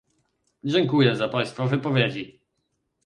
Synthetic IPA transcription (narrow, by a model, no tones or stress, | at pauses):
d͡ʑɛŋkujɛzapaj̃st̪fɔvɘpɔvʲjed͡ʑi